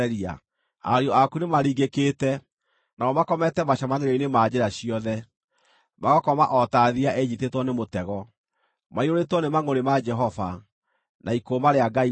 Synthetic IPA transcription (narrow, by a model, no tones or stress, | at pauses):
ɛɾia̰ | a̰ɾiɔakunemaɾiːɡeketɛ | naɔmakɔmɛtɛmaɕamaneɣainemad͡ʑeɾaɕiɔðɛ | maɣɔkɔmaʔɔtaðiaʔɛd͡ʒitetwɔnemotɛɣɔ | maiɾoɾetwɔnemaŋoɾemad͡ʒɛɦɔva̰ | nʔaikomaɾeaɡai